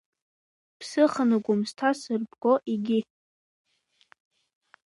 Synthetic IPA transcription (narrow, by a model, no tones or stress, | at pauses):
pʰsɨχənɨɡʷʊmstʰasɨrbʰʼɡoʔiɡʲɪ